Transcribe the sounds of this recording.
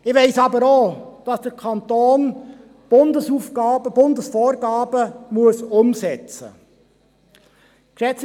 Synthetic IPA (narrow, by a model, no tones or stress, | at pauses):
ɪʋeɪsɑbəɾoːd̥ɑsd̥əɾkʰɑnt̪oːn | b̥ʊndəsuːfɡ̥ɑːbəb̥ʊndəsfoːɾɡɑːb̥əmuəsʊmsɛt͡sə̰ | kʃɛt͡s